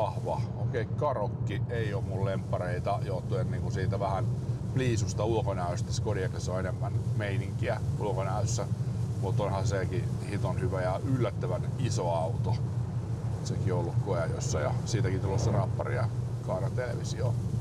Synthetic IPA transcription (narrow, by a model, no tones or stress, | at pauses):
ɑhʋɑoːkeikɑrokːieioːmmullempːɑreit̪ɑjoːt̪ːuenniːŋkusiːt̪æʋæhænpliːsust̪ɑulkonæˑøst̪æskodiɑkɑseoenemːænmeiniŋkiæulokonæøsːæmut̪onhɑsekihit̪onhyʋæjɑʔylːæt̪ːøʋænisoɑut̪o | sekioolːukkojɑjo̰sːɑjɑ̰siːt̪ækit̪ulosːɑrɑpːɑ̰rḭɑ̰ | kɑːnɑt̪elḛʋisio